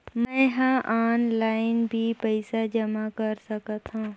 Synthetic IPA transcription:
mɛ̃ɦãʔaːnlaːɪnbʱipəɪsad͡ʒɐmakɐɾsɐkət̪ɦãː

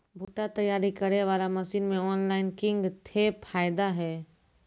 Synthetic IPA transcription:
bʱuːʈat̪ɐjːaːɾikɐɾeʋaːlamɐsiːnmẽɔːnlaːɪnkɪ̃ŋɡt̪ʰepʰaːjɪd̪aɦɛː

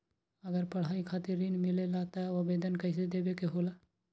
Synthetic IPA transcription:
əɡəɾpəɽ̤aikʰat̪iɾːinmilelat̪əobed̪ənkəɪs̬ed̪ebekeɦola

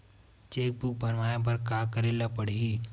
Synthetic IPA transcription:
t͡ʃeːk̚buk̚bɐnʋaːjep̬ɐɾkaːkəɾelapəɽ̤ii

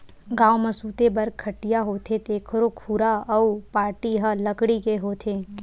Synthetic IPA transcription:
ɡãːməsuːt̪ebɐɾkʰəʈijaɦoːt̪ʰet̪eːkʰɾokʰuːɾaɐupaːɾʈiɦələkɽikeɦoːt̪ʰeː

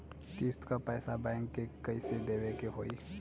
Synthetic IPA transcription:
kɪst̪kapɛːsabɛ̃ːŋkːekəised̪eːʋekeɦoːi

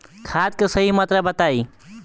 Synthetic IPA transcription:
kʰadkesəɦimət̪ɾəbət̪ai

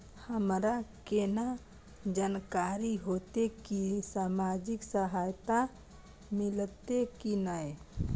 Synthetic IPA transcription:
həmɾakena | d͡ʒaːnkaːɾiɦoːt̪ekisaːmaːd͡ʒɪksəɦaːjt̪a | mɪlt̪ekina

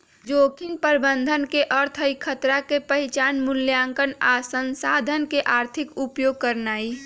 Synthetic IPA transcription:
d͡ʒoːkʰinpəɾbənd̪ʱənkeʔəɾt̪ʰəikʰət̪ɾakepəɦɪt͡ʃaːnmʊljaːŋkənasənsaːd̪ʱənkeʔaːɾt̪ʰikupjoːɡ̚kəɾnaːi

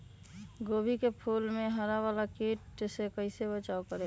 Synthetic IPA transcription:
ɡoːbʱikepʰuːlmẽɦəɾaʋaːlakiʈ̚d͡ʒsekəɪsebət͡ʃaːokəɾe

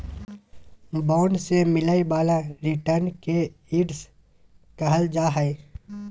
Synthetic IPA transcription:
bɔːɳɖsemɪlaibaːlãɾɪʈəɾnke | iːɖs | kɐɦəld͡ʒaːɦəe

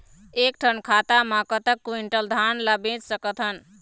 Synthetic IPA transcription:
ekʈʰənkʰat̪amãkət̪əkːuiɳʈəld̪ʱanlabẽt͡ʃsəkət̪ʰɦən

